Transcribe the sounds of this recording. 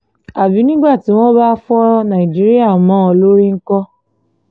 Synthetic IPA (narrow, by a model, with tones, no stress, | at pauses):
a˨bi˨˦nĩ˦ɡ͡ba˦˨ti˨˦w̃ɔ̃˦ba˦fu˦ɔ˦ɾɔ˦nã˨i˨d͡ʒi˦ɾi˦a˦˨mãː˨˦ɔ˧lo˦ɾi˦ŋ̩˦kɔ˦